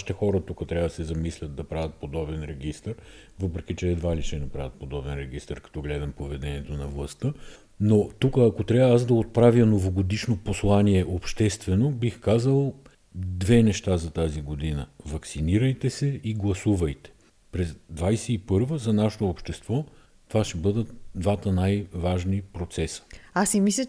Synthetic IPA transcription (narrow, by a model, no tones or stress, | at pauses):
i̥t̪ɛxɔɾət̪ukət̪ɾʲavəd̪ɐsɛzɐmislʲɐt̪̚d̪ɐpɾavʲət̪̚pod̪ɔbɛnɾɛɡist̪əɾ | vɤpɾɛkit͡ʃɛːd̪valiʃɛnɐpɾavʲət̪̚pod̪ɔbɛnɾɛɡist̪əɾkɐ̥t̪ɔɡlɛd̪ɐmpovɛd̪ɛniɛt̪onɐvlˠɐst̪ə | not̪ukəːkot̪ɾʲavazd̪ɐot̪̚pɾavjənovoɡod̪iʃnoposlˠaniɛʔopʃt̪ɛst̪vɛnobixkazəlˠ | d̪vɛnɛʃt̪azɐt̪aziɡod̪inə̰vɐksiniɾəjt̪ɛsɛiɡlˠɐsuvəjt̪ɛ̥ | pɾɛzd̪vajsɛipɤɾvəzɐnaʃo̥t̪oːpʃt̪ɛst̪vɔ | t̪ovaʃɛbɤd̪ət̪d̪vat̪ənajvaʒnipɾot̪sɛsə̥asimislʲə